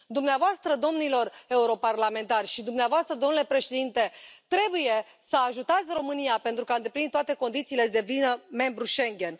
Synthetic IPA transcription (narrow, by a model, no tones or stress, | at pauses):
d̪umneavoast̪ɾəd̪o̞mnilo̞re̞uɾo̞parlame̞nt̪arʲʃid̪umneavoast̪ɾəd̪o̞mnule̞pɾe̞ʃed̪int̪e̞t̪ɾe̞buje̞ | səaʒut̪at̪sʲro̞mɨnijape̞nt̪ɾukaɨnd̪e̞plint̪oat̪e̞ko̞nd̪it̪siːle̞d̪e̞vinəme̞mbɾuʃe̞ŋɡʲe̞n